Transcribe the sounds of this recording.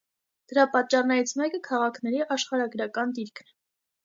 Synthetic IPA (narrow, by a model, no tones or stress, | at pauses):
d̪̥əɾɑpɑt̪̚t͡ʃːɑrnɛɾit͡sʰmɛkəkʰɑʁɑkʰnɛɾiʔɑʃχɑɾɑɡɾɑkɑnd̪iɾkʰnɛ